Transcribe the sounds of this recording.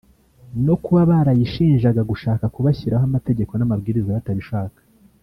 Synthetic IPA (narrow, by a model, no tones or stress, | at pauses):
no̞kuβaβaɾajiʃiːnʒaɡaɡuʃaːkakuβaçiɾaɦamate̞ɟe̞ko̞namabɡiːɾizaβataβiʃaːkḁ